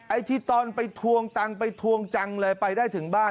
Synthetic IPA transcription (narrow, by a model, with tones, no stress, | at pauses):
ʔa˧jt̪ʰiː˥˩t̪ɔː˧npa˧jt̪ʰu˧əŋt̪a˧ŋpa˧jt̪ʰu˧əŋt͡ɕa˧ŋlɤː˧jpa˧jdaː˥˩jt̪ʰɯ˩˦ŋbaː˥˩